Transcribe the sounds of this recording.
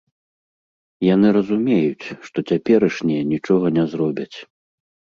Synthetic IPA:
janɨɾɐzumʲɛjut͡sʲʂt̪ɔt͡sʲapʲɛɾɐʂnʲɛjɛnʲit͡ʂɔɣɐnʲɛzɾɔbʲɐt͡sʲ

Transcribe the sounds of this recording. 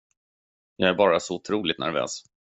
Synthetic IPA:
jɑːɡæɾbɑːɾasɔʊt̪ʰɾuːlɪt̪nʔæ̰ɾvø̰ːs

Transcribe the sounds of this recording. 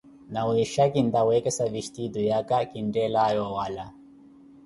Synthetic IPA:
nawiʃakind̪awɛkɛsaviʃt̪id̪ujakakindɛlajɔwala

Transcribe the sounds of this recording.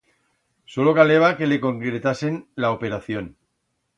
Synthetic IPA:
so̞lo̞kaleβ̞ake̞le̞ko̞ŋkɾe̞t̪ase̞nlaope̞ɾaθjo̞n

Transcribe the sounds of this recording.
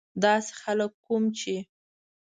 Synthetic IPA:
d̪ɑse̥xaləkːumt͡ʃe

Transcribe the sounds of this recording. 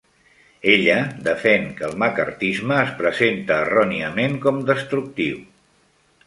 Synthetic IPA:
eʎəd̪əfɛŋkəːlˠmakə̰rt̪izməːspɾəzent̪əːrɔniəmeŋkɔmd̪əst̪ɾuk̚t̪iw

